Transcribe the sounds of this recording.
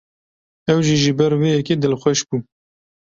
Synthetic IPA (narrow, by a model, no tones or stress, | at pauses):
ɛwʒiʒibɛɾweːjɛkeːd̪ɨlxʷɛʃbuː